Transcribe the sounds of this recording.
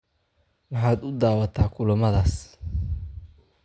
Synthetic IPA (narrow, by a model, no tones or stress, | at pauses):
mɑħaːd̪ʊd̪aːwɐt̪ʰaːkʰʊlɐmɐðaːs